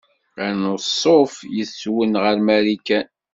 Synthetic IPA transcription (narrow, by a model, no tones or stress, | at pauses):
ænosˤːofjəsːwənʁəɾmæɾikæn